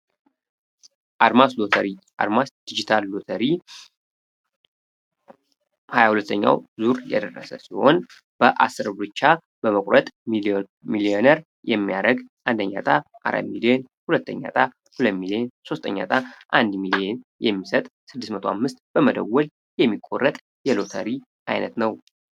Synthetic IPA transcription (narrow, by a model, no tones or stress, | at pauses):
ʔad̪masoəɾi | a̰ɾmasd̪̥id͡ʒit̪ʰalːot̪ʰəɾi | hajahulət̪ʰːəɲːa̰wzuɾjɛd̪ərːəsəsiho̞n | b̥əʔa̰sːɨɾbɾɨt͡ʃːa | b̥əməkʼɾət̪ʼ | milienəɾ | jɛmːijaɾəɡʔand̪əɲːa̰t̪ʼaʔa̰ɾa̰milien | hulət̪ʰːəɲːa̰t̪ʼa | hulət̪milienso̞st̪ʰʼəɲːa̰t̪ʼaʔand̪milienjɛmːisət̪ʼsɨd̪ːɨsmət̪ʰoamːɨst̪̚ʼb̥əməd̪əwːɔl | jɛmːikʼːo̞rːət̪ʼ | jɛlo̞t̪ʰə̰ɾi | ʔajnət̪nəw